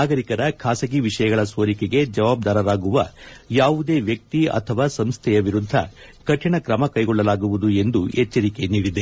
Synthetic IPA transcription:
naːɡɐɾikɐɾɐkʰaːsɐɡiʋiʂɐjɐɡɐɭɐsʋoːɾikeɡe̞d͡ʒɐʋaːb̚d̪aːɾɐɾaːɡuʋɐjaːʋud̪e̞ːʋjɐk̚t̪iɐ̰t̪ʰɐʋaːsɐmst̪ʰɛjɐʋiɾud̪ʱːɐ̰ | kɐʈʰʂɐɳɐkɾɐmɐkɐjɡɔɭːɐlaːɡuʋud̪ue̞nd̪uet͡ʃːɐɾike̞niːɽid̪e

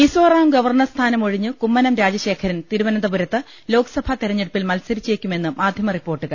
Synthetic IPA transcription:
misoːraːmɡɐʋɐrɳɐrst̪ʰaːnɐmo̞ɻiɲːɨkumːɐnɐmɾaːd͡ʑɐɕe̞ːkʰɐɾɐnt̪iɾuʋɐnɐnd̪ɐbuɾɐt̪ːɨ | lo̞ːkɐ̥sɐbʱɐt̪iɾɐɲːeɽupːilmɐlsɐɾit͡ɕːeːkʲːume̞nːɨmaːd̪ʱjɐmɐripːo̞ːrʈːɨɣɐ

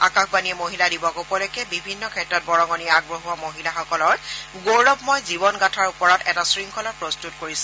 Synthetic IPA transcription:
a̰kaxbanijɛmoɦiladibɔkupɔlɔkɛbibʱinːɔkʰɛtɹɔt̚bɔɹɔŋɔniɛaɡ̚bɹoɦuwamoɦilaxɔkɔlɔɹɡowlɔbmɔjzibɔnɡatʰaɹupɔɹatɛtasɹiŋkʰɔlapɹɔstutkoɹisɛ

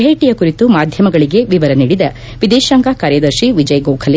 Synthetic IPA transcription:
ɦeːʈijɐkuɾit̪umaːd̪ʱjɐmɐɡɐɭiɡe̞ʋiʋɐɾɐniːɽid̪ɐ | ʋid̪eːʃaːŋɡaːkaːɾjɐd̪ɐɾʃiʋid͡ʒɐjɡowkʰɐli

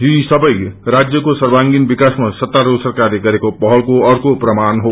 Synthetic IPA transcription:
joɦisʌbʌjrad͡zjʌkosʌrbaŋɡinbikasmasʌt̪ːaɾosʌrkarleɡʌɾekopʌɦʌlkoʌrkoprʌmanɦo

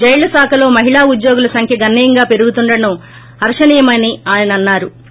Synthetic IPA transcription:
d͡ʒɐjlɐsaːkʰɐlo̞ːmɐɦiɭaːud̪joːɡulɐsɐŋkʰjɐɡɐnːiːjɐŋɡaːpe̞ɾuɡut̪uɳɖɐnu | ɦɐɾʂɐniːjɐmɐniaːjɐnɐnːaːɾu

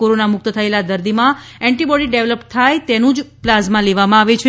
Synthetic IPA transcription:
koɾonamʊk̚t̪ət̪ʰəelad̪əɾd̪imã | ɛ̃ɳʈibɔɽiɖeʋləpt̪ʰajt̪enũd͡ʒplazmãleʋamãaʋet͡ʃʰe

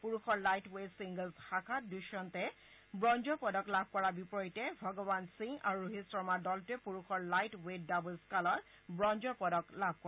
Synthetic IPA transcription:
puɹuxɔɹlajtwesiŋɡəlzhakʰatduʃɔntɛ | bɹɔnd͡ʒɔpɔdɔklab̚ʱkɔɹabipɔjitɛbʱɔɡɔbansiŋa̰ɹuɹuɦisɹɔmaɹdɔltʊɛpuɹuxɔɹlajtweddabulskalɔt | bɹɔnd͡ʒɔpɔdɔklab̚ʱkɔ

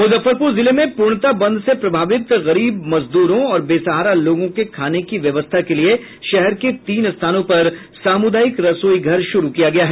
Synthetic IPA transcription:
mʊzəfəɾpuɾzɪlemẽpuːɾɳ̃t̪abɐ̃nd̪sepɾɐbʱaːʋɪt̪ɣɐɾiːbmɐzd̪uːɾõɔːɾbeːsɐɦaːɾaloːɡõkekʰaːnekiʋjɐʋəst̪ʰakelie | ʃɛɦɛɾket̪iːnst̪ʰaːnõpɐɾ | saːmʊd̪aːjɪkɾɐsoːiɡʱɐɾʃʊɾukijaɡɐjaːɦɛː

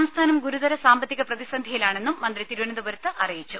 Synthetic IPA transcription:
mst̪ʰaːnɐmɡuɾuðɐɾɐsaːmbɐt̪ːiɣɐprɐðisɐnd̪ʱɐjilaːɳe̞nːumːɐnd̪rit̪iɾuʋɐnɐd̪ubɐɾɐt̪ːɨʔɐrijit͡ɕːu

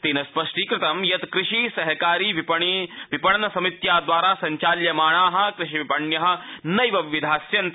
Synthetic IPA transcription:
t̪iːnɐspɐʂʈiːkɾɪt̪ɐmjɐt̪kɾɪʂiːsɐɦɐkaːɾiːʋpɐɳiʋipɐɽɐnɐsɐmit̪jaːd̪ʋaːɾaːsɐɲt͡ʃaːljɐmaːɳ̃aːɦɐ̆kɾɪʃiʋipɐɳjɐɦɐ̆nɐjʋɐʋʋid̪ʱaːsjɐnt̪

